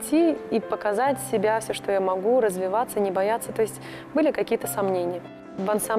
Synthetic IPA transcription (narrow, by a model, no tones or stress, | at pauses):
tʲːiipəkɐzatʲsʲɪbʲafsʲoʂt̪ojamɐɡuɾəzvʲɪvat̪sənʲɪbɐjat̪sːət̪o̞jɪsʲtʲ | bɨlʲɪkɐkʲijət̪əsɐmnʲenʲɪjə | vɐnsam